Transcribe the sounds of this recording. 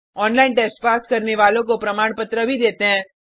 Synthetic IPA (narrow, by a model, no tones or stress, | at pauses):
ɔːnlaːɪnʈɛːsʈpaːskɐɾneʋaːlõkopɾɐmaːɳpɐt̪ɾəbʱid̪eːt̪eɦɛ̃ː